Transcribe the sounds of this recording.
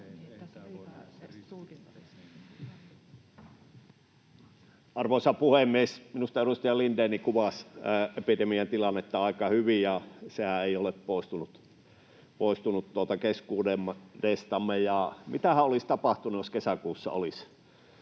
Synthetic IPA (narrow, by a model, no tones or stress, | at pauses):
ɑrʋoˑisɑpuhemːˑiesminust̪ɑeɾust̪ɑjɑlindenikuʋɑsepidemiɑnt̪ilɑnːet̪ːɑɑˑikɑhyʋijɑsehæeˑioleppoˑist̪unut̪ | poˑist̪unut̪tuot̪ɑkeskuːdemːdest̪ɑmːejɑmit̪æhæolist̪ɑpɑht̪unujoskesækuːsːɑ̰o̰lis